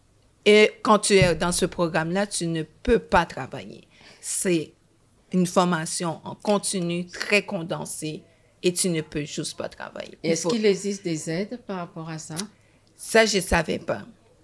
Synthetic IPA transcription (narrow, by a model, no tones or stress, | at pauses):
ekɑ̃t̪yɛd̪ɑ̃səpχɔɡʁamlat̪ynəpøpat̪χava̰jḛ | sɛ | ynfɔʁmasjɔ̃ʔɑ̃kɔ̃t̪inyt̪χɛkɔ̃d̪ɑ̃se | et̪ynəpøʒ̥yst̪pa̰t̪χa̰va̰jḛɛskilɛɡzist̪̚d̪ezɛd̪paʁapɔʁasa | saʒəsavɛ̰pa̰